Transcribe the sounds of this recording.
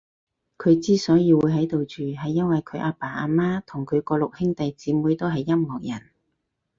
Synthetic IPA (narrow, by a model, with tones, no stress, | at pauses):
kʰɵ˨˧ɥt͡siː˥sɔː˨˥jiː˧wuː˨˧jɦɐ˨˥jt̪o˨wt͡ʃyː˨˩ɦɐ˨jːɐ˥nwɐ˨jkʰɵ˨˧ɥʔaː˧paː˨˩ʔaː˧maː˥t̪ʰʊ˨˩ŋkʰɵ˨˧ɥkɔː˧lʊ˨k̚hɪ˥ŋt̪ɐ˨jt͡siː˨˥muː˨˥jt̪o˥wɦɐ˨jːɐ˥mmɔː˨k̚jɐ̰˨˩n